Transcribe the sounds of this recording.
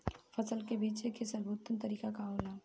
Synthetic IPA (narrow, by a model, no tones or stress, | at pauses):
fʰɐsəlkebiːt͡ʃekesəlbʱuːt̪ːənt̪əɾiːkakaɦoːla